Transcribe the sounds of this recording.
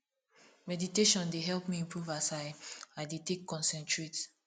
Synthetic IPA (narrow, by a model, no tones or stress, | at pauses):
mɛditeʃɔ̃ndeɦɛlˠpmiĩmpʰɹuvasaɪaɪdetekʰːɔ̃nsɛ̃ntɹet